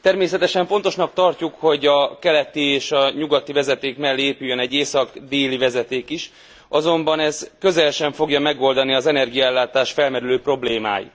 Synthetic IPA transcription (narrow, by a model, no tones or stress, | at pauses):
t̪ɛrmeːsɛt̪ɛʃɛɱfo̞nt̪o̞ʃnɒk̚t̪ɒrcukho̞ɟɒkɛlɛt̪ieːʃɒɲuɡɒt̪ːivɛzɛt̪eːkmɛlːeːpyjːønɛɟːeːsɒɡd̪eːlivɛzɛt̪eːkiʃ | ɒzo̞mbɒnɛzkø̞zɛlʃɛɱfo̞ɡjɒmɛɡo̞ld̪ɒniɒzɛnɛrɡijɒɛlːaːt̪aːʃfɛlmɛɾyløːpro̞bleːma̰ːjḭ